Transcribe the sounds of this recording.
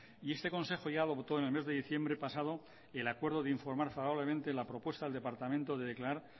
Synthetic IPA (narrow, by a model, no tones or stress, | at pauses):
ie̞st̪e̞ko̞nse̞xoʝaːðo̞pt̪o̞ene̞lme̞zðe̞ðiθjembɾe̞pasað̞o̞ | elakwe̞ɾðo̞ðeiɱfo̞ɾmaɾfaβaβle̞mẽnt̪elapɾo̞pwe̞st̪aðeld̪e̞paɾt̪amẽnt̪oðe̞ðe̞klaɾaɾ